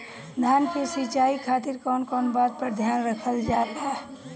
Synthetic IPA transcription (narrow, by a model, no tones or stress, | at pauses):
d̪ʱaːnpʰesit͡ʃaːikʰaːt̪ɪɾkɔːnkɔːnbaːd̪̚pəɾd̪ʱjaːnɾəkʰəld͡ʒaːt̪aː